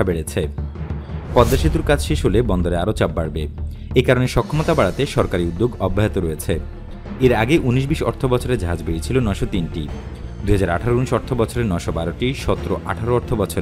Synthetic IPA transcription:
abeɽet͡ɕʰe | pɔd̪ːaʃit̪uɾkat͡ɕʰʃeʃɦolebɔnd̪oɾeaɾot͡ɕabbaɽbe | ekaɾoneʃɔkʰːomot̪abaɽat̪eʃɔɾkaɾiud̪ːoɡɔbːaɦet̪oɾoet͡ɕʰe | eɾaɡeʔuniʃ̬biʃɔ̰ɾt̪ʰobɔt͡ɕʰoɾeɾd͡ʑaɦad͡ʑbeɽit͡ɕʰilonɔeʃɔt̪inʈḭ | d̪uɦad͡ʑaɾa̰ʈʰaɾouniʃɔɾt̪ʰobɔt͡ɕʰoɾeɾnɔeʃɔbaɾoʈiʃɔt̪ːoɾoʔaʈʰaɾoɔɾt̪ʰobɔt͡ɕʰoɾe

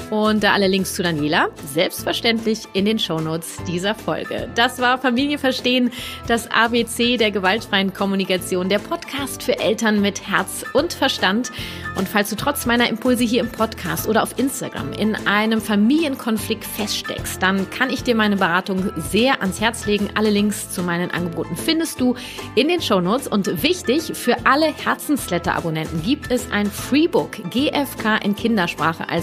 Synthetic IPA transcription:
ʔʊnt̚d̥aːʔaləlɪŋkst͡sudanjeːlazɛlpstfɛɐʃtɛntlɪçʔɪndeːnʃoʊnoːt͡sd̥iːzɐfɔ̰lɡə̰d̥asv̥aːɐfamiːljəfɛɐʃteːənd̥asʔa̰ːbeːt͡seːdeːɐɡəvaltfʁ̥aɪənkʰɔmunikat͡sjoːndeːɐpʰɔtkʰaːstfyːɐʔɛltɐnmɪthɛɐt͡sʔʊntfɛɐʃtantʔʊntfalsd̥uːtʁ̥ɔt͡smaɪnɐʔɪmpʰʊlzəɦiːɐɪmpʰɔtkʰa̰ːstʔoːɾɐʔaʊfʔɪnsta̰ɡʁa̰mʔɪ̰nʔaɪnəmfamiːljənkʰɔnflɪktfɛstʃtɛ̰kst̚d̥ankʰanɪçd̥iːɐmaɪnəbəʁaːtʊŋzeːɐʔanshɛɐt͡sleːɡŋ̩ʔa̰ləlɪŋkst͡sumaɪnənʔa̰nɡəboːtn̩fɪndəstd̥uː | ʔɪndeːnʃoʊnoːt͡sʔʊntv̥ɪçtɪçfyːɐʔaləhɛɐt͡sn̩slɛtɐ̰ʔa̰bonɛntn̩ɡiːp̚tʰɛsʔa̰ɪnfʁ̥iːbʊkɡ̥eːʔɛfkʰaːʔɪnkʰɪndɐʃpʁ̥aːχə̰ʔa̰l

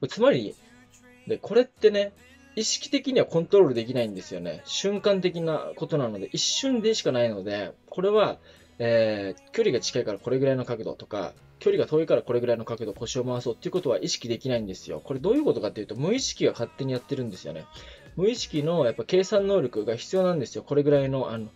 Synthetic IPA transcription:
kt͡sɨmaɾʲi | d̪ekʰo̞ɾe̞t̪ːe̞ne̞ | iɕi̥kʲi̥t̪e̞kʲiɲ̟iβakõ̞nt̪o̞ɾo̞ːɾɯ̟d̪e̞kʲinaĩnd̪e̞sɨjo̞̰ne̞̰ɕɨ̃ŋkãnt̪̬e̞kʲina̰ko̞t̪o̞nano̞d̪e̞ʔiɕːɨ̃nd̪e̞ɕi̥kanaino̞d̪e̞kʰo̞ɾe̞βa | eːkʲo̞ɾʲiɡat͡ɕi̥kaikaɾako̞ɾe̞ɡɯ̟ɾaino̞kakɯ̟d̪o̞̰t̪oka̰ | kʲo̞ɾʲiɡat̪o̞ːikaɾako̞ɾe̞ɡɯ̟ɾaino̞kakɯ̟d̪o̞ko̞ɕio̞maβaso̞ːt̪ːeiɯ̟ko̞t̪o̞βaʔiɕi̥kʲid̪e̞kʲinaĩnd̪e̞sɨjo̰ko̞ɾe̞d̪o̞ːjɯ̟ːko̞t̪o̞kat̪ːejɯ̟t̪o̞mɯ̟iɕi̥kʲiɡakat̪ːe̞ɲ̟ijat̪ːe̞ɾɯ̟̃nd̪e̞sɨjo̞̰ne̞̰ | mɯ̟iɕi̥kʲino̞japːake̞ːsãnːo̞ːɾo̞kɯ̟ɡaçi̥t͡sɨjo̞ːnãnd̪e̞sɨjo̞ko̞ɾe̞ɡɯ̟ɾaino̞ʔano̞

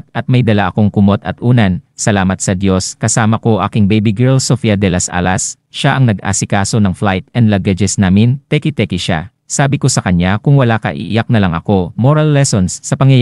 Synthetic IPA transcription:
ʔɐt̪̚mɐjd̪ɐlaʔɐko̞ŋkʊmo̞t̪ɐt̪̚ʔuːnɐnsɐlaːmɐt̪̚sɐd̪jo̞skɐsaːmɐko̞ʔa̰ːkɪŋbɛjbiɡɛɹlsofiɐd̪ɛlɐsʔa̰ːlɐs | ʃaʔɐŋnɐɡ̚ʔa̰ːsɪkaːso̞nɐŋflajt̪̚ʔɛnd̪lɐɡɐd͡ʒɛsnaːmɪnt̪ɛkɪt̪ɛkɪʃa̰ | saːbɪko̞sɐkɐɲakʊŋwɐlakɐ̰ʔɪ̰ʔjak̚nɐlɐŋʔɐ̰ko̞moɾɐlːɛsonsːɐpɐŋjɐj

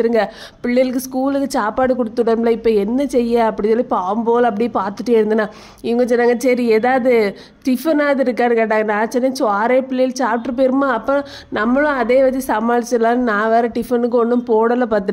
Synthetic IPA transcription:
ɯɾɯŋɡɐ | pɪɭːɐjlɯk̬ːɯskuːlɯkːɯt͡ʃaːpaːɽɯkɔɽɯt̪ːɯɽɐɾmlɐɪpːɐɛnːɐsɛjːaɐpːɐɽɪsɔlːipaːmboːlɐp̬ːɐɽɪjpaːɾt̪ɯʈːɯɛɽɯnd̪ɯnːãː | ɪʋɐŋɡɐt͡ʃɔnːaːŋɡɐsɐɾieːðaːðɯ | ʈɪfɐnaːðɯɪɾɯkːaːɾɯkeːʈ̬ːaːŋɡɐnaːt͡ʃːɔnːɐt͡ʃaːɾeːpɪɭːɛjɪlt͡ʃaːpʈɾɯpeːɾɯmaːɐpːɐ̃ | nɐmːɐɭʊ̃ɐðeːʋɐt̪ːisɐmaːɭɪt͡ʃːɐlãːnnãːʋeːɾɐʈɪfɐnɯkːɯɐɳːɯmpoːɽɐlɐpaːɾt̪̬ːɯɾ

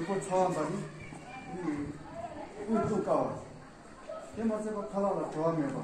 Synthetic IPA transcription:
pot͡sʰawambad̪ini | utukawa | t̪emat͡sepakʰalaʔlaʈ͡ʂowamepa

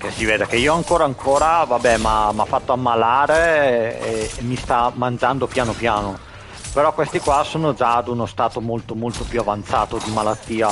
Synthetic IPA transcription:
k̟esːiveːd̪ek̟eiːoaŋkoːɾaaŋkʰoːɾavabːɛmamafːat̪ːoamːalaːɾeeːmːist̪amand͡ʒand̪opjaːnopjaːno | peɾɔkːwest̪ikwasoːnod͡ʒad̪unost̪aːt̪omolt̪omolt̪opjuavant̪saːt̪od̪imalat̪ːiːa

